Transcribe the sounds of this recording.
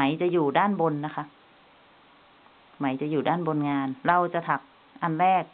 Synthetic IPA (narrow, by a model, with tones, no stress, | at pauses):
a˩˦jt͡ɕa˧˨juː˨˩daː˥˩˨nbo˧nːa˦˥kʰa˦˧˥ | ma˩˦jt͡ɕa˧˩˨juː˨˩daː˥˩nbo˧nŋaː˧nɾa˧wt͡ɕa˧˩t̪ʰa˨˦˩k̚ | ʔa˧nɾɛː˥˩k̚